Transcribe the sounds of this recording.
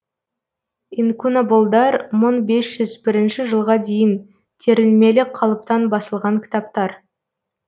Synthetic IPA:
inkunobolˠd̪ɑɾmoɴbe̞sʒ̥ʏzbɪɾɪnʃɪʒəlˠʁɑd̪e̞jɪn | t̪ʲʰeɾɪlme̞lɪqʰːɑlˠəp̚t̪ɑnbɑsəlˠʁɑŋkʲʰɪ̥t̪ɑp̚t̪ɑɾ

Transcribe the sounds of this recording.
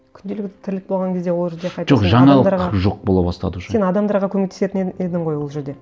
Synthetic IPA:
kʲʰʏnd̪elɪk̚ʲt̪ɪ̥t̪ʰɪɾlɪk̚bo̞lˠʁɑŋkʲʰe̞zd̪e̞wo̞lˠʒeɾd̪e̞qʰɑj̪t̪ʒoqʒɑɴɑlˠd̪ɑɾʁɑʒo̞q̚bolˠɑbɑst̪ɑ̰d̪əʃenɑd̪ɑmd̪ɑɾʁɑkʲʰɵmek̚t̪ese̞t̪ɪne̞d̪ɪɴʁo̞jwo̞lˠʒe̞ɾd̪e̞

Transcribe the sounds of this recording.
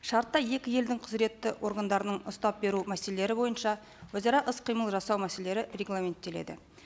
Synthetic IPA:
ʃɑɾt̪ːɑje̞kʲɪje̞ld̪ɪŋqʰəzɾe̞t̪ːɪwʔo̞ɾɡand̪ɑɾənəɴʊst̪ɑp̚be̞ɾumæse̞lele̞ɾɪbo̞jənʃɑ | wɵzɑɾɑʔəsqʰijməlˠʒɑsɑwmæse̞lee̞ɾɪre̞ɡlˠame̞nt̪ːe̞le̞̰d̪ɪ̰

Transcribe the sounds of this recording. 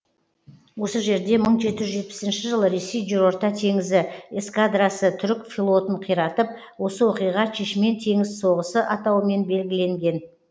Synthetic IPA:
wo̞səʒe̞ɾd̪e̞məɴʒe̞t̪ɪʒʒe̞t̪̚pɪ̥sɪnʃɪʒəlˠəɾe̞sejʒʏɾo̞ɾt̪ɑt̪ʰe̞ŋɪzɪeskad̪ɾasət̪ʰʏɾkfʲilˠo̞t̪əɴqʰijɾɑt̪əp̚ | wo̞səwo̞qijʁɑʃeʃɪme̞nt̪ʰe̞ŋɪzso̞ʁəsəʔɑt̪ɑwəme̞nbe̞lɡʲɪle̞ŋɡʲe̞n

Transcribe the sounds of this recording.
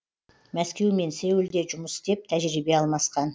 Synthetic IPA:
mæskʲe̞wme̞nse̞wɪld̪e̞ʒʊməsd̪e̞p̚t̪ʰæʒɾibe̞ɑlˠmɑsqɑn

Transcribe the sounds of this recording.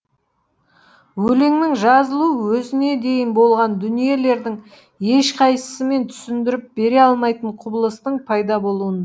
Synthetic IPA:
wɵleŋnɪŋʒɑzəlˠuwɵzɪne̞d̪e̞jɪnbo̞lˠʁɑnd̪ʏnije̞le̞ɾd̪ɪŋ | e̞ʃqʰɑjsə̥səme̞nt̪ʰʏ̥sɪnd̪ɪɾɪp̚be̞ɾe̞ɑlˠmɑjt̪əɴqʰʊbəlˠəst̪əɴpʰɑjd̪ɑbo̞lˠuən

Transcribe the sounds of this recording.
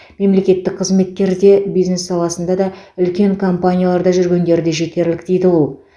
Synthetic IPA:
me̞mle̞kʲe̞t̪ːɪk̚qʰəzme̞t̪kʲe̞ɾd̪e̞bijzne̞sːɑlˠɑsənd̪ɑd̪ɑʏlkʲe̞ŋkʰo̞mpanʲijalˠɑɾd̪ɑʒʏɾɡʲe̞nd̪e̞ɾɪd̪e̞ʒe̞t̪e̞ɾlɪkd̪e̞jd̪ɪwo̞lˠ

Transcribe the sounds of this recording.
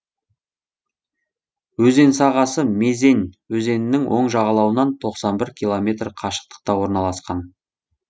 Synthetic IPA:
wɵze̞nsɑʁɑsəme̞ze̞nwɵze̞nɪnɪŋwʔo̞ɴʒɑʁɑlˠɑwənɑnt̪ʰo̞qsɑnbɪɾkʲʰilˠo̞mʲe̞t̪rqʰɑʃə̥q̚t̪ə̥q̚t̪ɑwo̞ɾnɑlˠɑsqɑn

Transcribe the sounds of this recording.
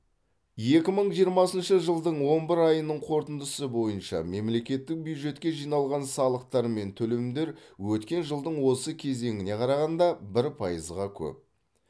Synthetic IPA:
je̞kʲɪməɴʒijəɾmɑsənʃəʒəlˠd̪əɴwo̞nbɪɾɑjənəɴqʰo̞ɾt̪ənd̪əsəbo̞jənʃɑ̰me̞mle̞kʲe̞t̪ːɪk̚bjujd̪ʒe̞t̪kʲe̞ʒijnɑlˠʁɑnsɑlˠəq̚t̪ɑɾme̞nt̪ʰɵle̞md̪e̞ɾwɵt̪kʲe̞nʒəlˠd̪əɴwo̞səkʲʰe̞ze̞ŋɪne̞qʰɑɾɑʁɑnd̪ɑbɪɾpʰɑjəzʁɑkʲʰɵ̰p̚

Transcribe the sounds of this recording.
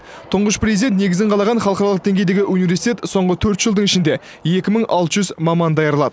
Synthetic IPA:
t̪ʰʊɴʁəʃprʲezid̪ent̪ne̞ɡʲɪzɪɴqʰɑlˠɑʁɑnχɑlˠəqɑɾɑlˠəqd̪e̞ŋɡʲejd̪e̞ɡʲɪʔunivʲeɾsi̥t̪ʲet̪so̞ɴʁət̪ʰɵɾt̪ʒ̥əlˠd̪əɴɪʃɪnd̪e̞ | je̞kʲɪməɴɑlˠt̪əʒʏzmɑmɑnd̪ɑjɑɾəlˠɑ̰d̪ə

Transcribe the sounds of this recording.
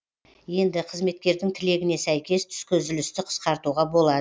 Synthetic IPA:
je̞nd̪ɪqʰəzme̞t̪̚kʲe̞ɾd̪ɪŋt̪ʰɪle̞ɡʲɪne̞sæjkʲe̞st̪ʰʏ̥skʲʰɵzɪlɪst̪ɪqʰə̥sqɑɾt̪uʁɑbo̞lˠɑd̪ə

